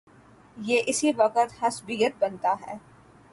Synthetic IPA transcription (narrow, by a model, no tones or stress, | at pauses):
jeːʔɪsiʋɐqət̪hɐsbijət̪̚bɐnt̪aɦɛː